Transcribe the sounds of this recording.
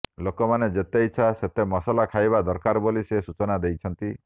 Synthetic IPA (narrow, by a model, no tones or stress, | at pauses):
lokɔmaned͡ʒet̪ejt͡ʃʰaset̪emɔsalakʰajbad̪ɔɾkaɾbolisesut͡ʃɔnad̪ejt͡ʃʰɔnt̪i